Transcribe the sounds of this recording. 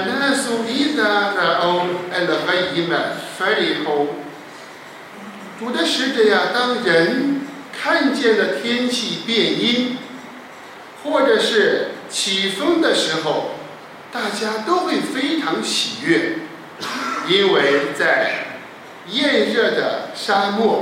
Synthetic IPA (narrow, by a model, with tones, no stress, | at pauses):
a˧˩na˥a˥˩su˥i˥sa˧ə˧ʔo˧ʊɛ˧nlə˨˩xə˧˥i˧˥mə˨˩nfa˧˥li˨˩xo˧˥ʊ | t̪u˧˥d̪ə˧ʂɻ̩˧˥ʈ͡ʂ̩˨˧˩ja˧˩t̪ɑ˥ŋɻə˧˥n | kʰa˥˧nt͡ɕjɛ˥˩nlə˩t̪ʰjɛ˥nt͡ɕʰi˥˧pjɛ˥˩ni˥n | xwɔ˥˩ʈ͡ʂɤ˨˩ʂɻ̩˥˩t͡ɕʰi˨˩fʊ˥ŋd̪ə˨ʂɻ̩˧˥xo˧ʊ | t̪a˥˩t͡ɕja˥t̪o˥ʊxwe˥˩ɪfe˥ɪʈ͡ʂʰɑ˧˥ŋɕi˨˩ɥɛ˥˩ | i˥nwe˥˧ɪt͡sa˥˧ɪ | jɛ˥˧nɻɤ˥˩d̪ə̰˩ʂa˥mɔ˥˩